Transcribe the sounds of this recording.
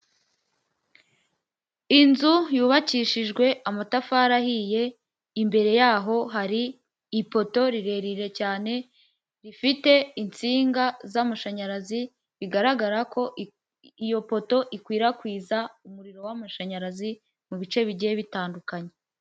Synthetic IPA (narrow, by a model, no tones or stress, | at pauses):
inzujuːβaciːʃiʒɡwe̞ʔamatafaːɾahije̞ | imbe̞ɾe̞jaːɦo̞ɦaɾiː | po̞to̞ɾiɾe̞ɾiɾe̞caːne̞ | ɾifite̞int͡siːŋɡazamaʃaɲaɾazi | βiɡaɾaɡaɾakʰo̞ | ijo̞po̞to̞ʔikwiːɾakwiːzaumuɾiɾo̞wamaʃaɲaɾazi | muβit͡ʃe̞βiɟieβitaːndukaɲe